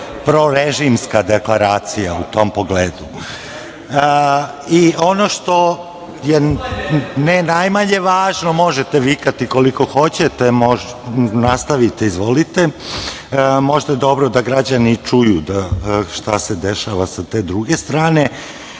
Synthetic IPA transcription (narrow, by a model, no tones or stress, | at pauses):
pɾo̞ɾeʒimskad̪eklˠaɾaːt̪sijaut̪o̞mpo̞ɡleːd̪u | io̞no̞ʃt̪o̞ | je | nenajmaɲe̞ʋaːʒno̞mo̞ʒet̪eʋikat̪iko̞liko̞xo̞t͡ɕet̪e̞mo | nast̪aʋit̪eizʋo̞lit̪e̞ | mo̞ʒd̪aje̞d̪o̞bɾod̪aɡɾad͡ʑanit͡ʃujud̪aʃt̪ased̪eʃaʋasat̪e̞ːd̪ɾuɡe̞st̪ɾaːne̞